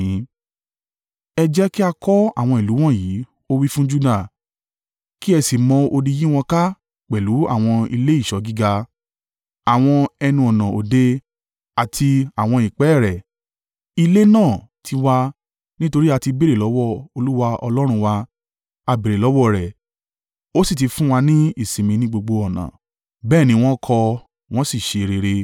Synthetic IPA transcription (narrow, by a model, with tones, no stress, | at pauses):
ɛ˧d͡ʒɛ˦ki˦a˧kɔ˦a̰˦˨w̃ɔ̃˧i˨lu˨˦w̃ɔ̃˦˨jiː˨˦ | o˦wi˦fũ˦d͡ʒu˦da˦˨ | ki˦ɛ˧si˨mɔ̃˧o˧di˧jĩ˦w̃ɔ̃˧ka˦ | k͡pɛ˨lu˨˦a̰˦˨w̃ɔ̃˧ḭ˧le˦i˦˨ʃɔ˨˦ɡi˦ɡa˧ | a˨w̃ɔ̃˧ɛ˧nũ˧ɔ˨nã˨ʔo̰˨de˧ | a˨tʰi˧a˨w̃ɔ̃˧i˨k͡pɛ˨˦˨ɾɛ˨ | i˧le˦nãː˦˨tʰi˧wa˧ | nĩ˦to˧ɾi˦a˧ti˧be˦˨ɾe˨lɔ˨˦wɔ˦˨o˧lu˦wa˧ɔ̰˧lɔ˦ɾ̃ũ˧wa˧ | a˧be˨ɾe˨lɔ˨˦wɔ˦˨ɾɛ˨ | o˦si˦˨ti˨˧fũ˦w̃a˧nĩ˦i˦˨sĩ˨mĩ˧nĩ˦ɡ͡bo˧ɡ͡bo˧ɔ˨nã̰˨ | bɛː˦˨nĩ˧˦˧w̃ɔ̃˦kʰɔ˧ | w̃ɔ̃˦si˦˨ʃe˧ɾe˧ɾe˧